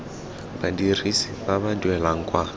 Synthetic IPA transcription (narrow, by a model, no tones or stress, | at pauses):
badirisi̥babadɛlaŋ̩kʼwa